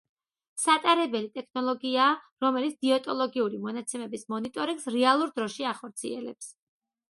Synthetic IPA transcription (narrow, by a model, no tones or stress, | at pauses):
sat̪ʼaɾɛbɛlit̪ʼɛkʰnɔlˠɔɡiaː | ɾɔmɛlit̪sd̪̥iɔt̪ʼɔlˠɔɡiuɾimɔnat̪sʰɛmɛbismɔnit̪ʼɔɾiŋɡsɾɛalˠuɾd̪ɾɔʃiaχɔɾt̪sʰḭɛ̰lɛ̰ps